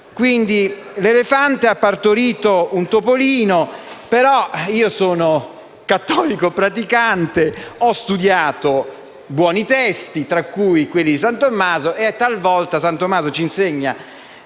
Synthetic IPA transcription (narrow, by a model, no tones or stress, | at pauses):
kwind̪i | lelefant̪eapːart̪oɾiːt̪ount̪opoliːnopeɾɔiːosoːno | kat̪ːɔːlikopɾat̪ikant̪eɔst̪ud̪jaːt̪o | bwɔːnit̪ɛst̪it̪ɾakːujikwelːid̪is̬ant̪omːaːzoʔeɛt̪ːalvɔlt̪asant̪omːaːzot͡ʃinseɲːa